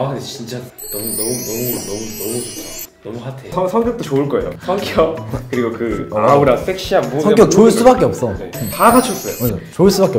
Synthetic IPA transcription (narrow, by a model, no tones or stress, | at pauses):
anet͡ɕint͡ɕ͈anʌmunʌmunʌmunʌmunʌmu | nʌmuɦatʰesʰʌsʰʌŋk̬͈jʌk̚t͈ot͡ɕoɯɭk͈ʌe̞̰jo̰sʰʌŋk͈jʌk̚kɯɾiɡokɯauɾas͈ek̚ɕ͈iambusʌŋkjʌk̚t͡ɕoiɭs͈ubak͈e̞ʌp̚s͈ʌnetakat͡ɕʰʌs͈ʌjo̰mad͡ʑat͡ɕoiɭs͈ubak͈e